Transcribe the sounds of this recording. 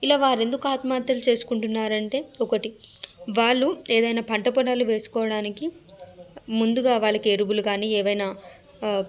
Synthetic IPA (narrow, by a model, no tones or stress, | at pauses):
ilaːʋaːɾe̞nd̪ukuaːt̪maːt̪jɐlut͡ʃe̞ːsu̥kuɳʈunːaːɾɐɳʈe̞ːɔkɐʈiʋaːɭːueːd̪ɐjnaːpɐɳʈɐpɔɽaːluʋe̞ːsu̥kɔːʋɐɽaːniki | mund̪uɡaːʋaːɭːɐkieɾubulukaːniːɛːʋɐjnaː